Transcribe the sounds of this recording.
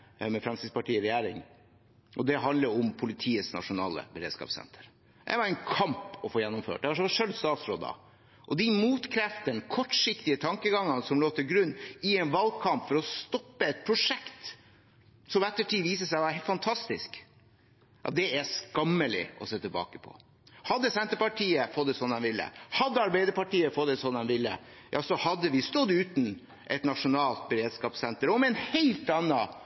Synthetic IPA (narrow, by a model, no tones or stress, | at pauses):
mɛfɾɛmsɪspɑʈiːɾɛjæːɾɪ̰ŋ | ʔɔd̪ɛɦɑnd̪ləɾɔmpʰʊlɪt̪ʰiːəsnɑ̰ʂʊnɑ̰ːlə̰bəɾeːd̪skɑ̰psɛ̰nt̪ʰə̥ɾ | ɛ̰ɪʋɑɾɛnkʰɑmpɔfoːjɛnːʊmfø̰ːʈ̚d̪ɛɑʂɔʋɑʂœld̪st̪ɑːt̪sɾoːd̪ɑ̰ | ʔɔd̪imuːt̪kʰɾɛft̪ənkʰɔʈʂɪkt̪ɪət̪ʰɑŋkəɡɑŋːənəsɔmloːt̪əɡɾʉnːɪɛnʋɑlɡkʰɑmpfɔɾɔst̪ɔpːəɛt̪̚pʰɾʊʂɛkt̪ | sɔmɛt̪ːəʈʰiːʋiːsəsæɪʋɑɾfɑnt̪ʰɑst̪ɪsk | ʔɑt̪̚d̪ɛæskɑmːəlɪ̰ɔ̰seːt̪ʰəlbɑ̰ːkəpʰɔ̰ | hɑd̪ːəsɛnt̪əɾpɑʈʰiːəfɔd̪ːəsɔndɛnʋɪlːə̰hɑd̪ːəɑɾbæɪd̪əɾpɑʈiːəfɔt̪ːəsɔnːɛnʋɪlːə̰ | jʔɑ̰ːsɔhɑd̪ːəʋɪst̪ɔd̪ʉːt̪n̩ | ʔɛt̪nɑʂʊnɑːlt̪̚bəɾeːd̪skɑːpsɛnt̪əɾɔmɛɛnheɪlt̪ɑnːɑ